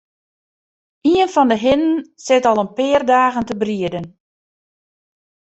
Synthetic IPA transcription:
iənfɔndəɦɪnənsɪtɑlˠənpɪːrdaːɣəntəbriədən

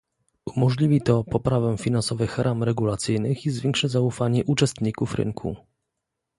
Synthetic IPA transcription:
umɔʐlʲivʲit̪ɔpɔpɾavɛfʲinansɔvɘxɾʔamɾɛɡulat̪sɘjnɘxizvʲjɛŋkʂɛzaufaɲɛʔut͡ʂɛst̪ɲikufɾɘ̰ŋkʰṵ

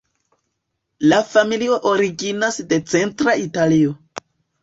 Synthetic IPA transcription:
lafamilio̞ʔoɾiɡinasde̞t͡se̞ntɾaitalio̞

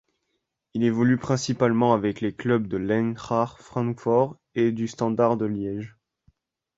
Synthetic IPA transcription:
ilevɔlypχɛ̃sipalmɑ̃avɛkleklœb̚d̪əlɛ̃nʁaʁfχɑ̃nfɔʁ | ed̪yst̪ɑ̃d̪aʁd̪əljɛʒ

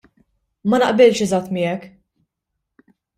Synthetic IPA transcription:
mɐnɐʔbɪlʃɛzɐt̪ːmɪːɛk

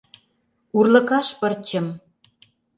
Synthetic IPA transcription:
urlɤ̆kɑʃpə̆rt͡ɕə̆m

